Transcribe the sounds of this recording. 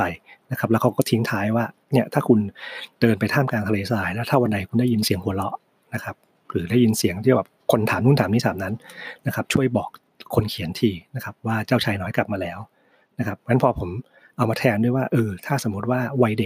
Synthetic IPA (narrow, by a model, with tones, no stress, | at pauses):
a˧˩jna˦˥kʰa˦˥p̚lɛ˦˥wkʰa˦˥wkɔː˥˩t̪ʰi˦˥ŋt̪ʰaː˦˥jwaː˥˩ni˦˥˩ɐt̪ʰaː˥˩kʰu˧ndɤː˧npa˧jt̪ʰaː˥˩mkaː˧nt̪ʰa˧leː˧saː˧˩jlɛː˦˥wt̪ʰaː˥˩wa˧nda˧jkʰu˧nda˥˩ji˧nsi˨˩˦əŋhʰu˩˦lɔ˦˥ʔ | na˦˥kʰa˦˥p̚ | ɾɯː˩˦da˥˩ji˧nsi˨˩˦əŋt̪ʰiː˥˩bɛː˨˩p̚kʰo˧nt̪ʰaː˩˦mnu˥˩t̪ʰaː˩˦niː˥˩t̪ʰaː˩˦mna˦˥nːa˦˥kʰa˦˥p̚t͡ɕʰu˥˩əjbɔː˨˩k̚ʰː | o˧nkʰi˨˩˦nt̪ʰiː˧na˦˥kʰa˦˥p̚waː˥˩t͡ɕaː˥˩wt͡ɕʰaː˧jnɔː˦˥jkla˨˩p̚maː˧lɛː˦˥w | na˦˥kʰa˦˥p̚ŋa˦˥npʰɔː˧pʰo˩˦m | ʔa˧wmaː˧t̪ʰɛː˧mndu˥˩əjwaː˥˩ʔɤː˧t̪ʰaː˥˩so˩˦mːu˦˥t̪̚waː˥˩wa˧jde˨˩k̚